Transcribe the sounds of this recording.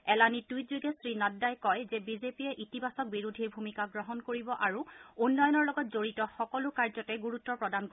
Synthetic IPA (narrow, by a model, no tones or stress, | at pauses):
ɛlanitujtzuɡɛsɹinɔdːajkɔjzɛbizepiɛʔitibasɔk̚biɹudʱiɹbʱumikaɡɹɔɦɔnkoɹibɔʔaɹuunːɔjɔnɔɹlɔɡɔtzoɹitɔxɔkɔlʊkaɹzɔtɛɡuɹutːɔpɹɔdank